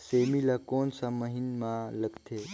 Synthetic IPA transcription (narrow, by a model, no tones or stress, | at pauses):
semilakonsəməɦinmaləɡt̪ʰe